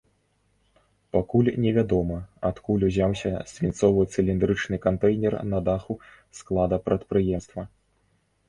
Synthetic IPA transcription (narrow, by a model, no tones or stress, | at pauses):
pakulʲnʲɛvʲad̪ɔmɐat̪kulʲuzʲawsʲɐsʲvʲint̪sɔvɨt̪sɨlʲind̪ɾɨt͡ʂnɨkant̪ɛjnʲɛrnɐd̪axu | sklˠad̪ɐpɾɐt̪̚pɾɨjɛmst̪vɐ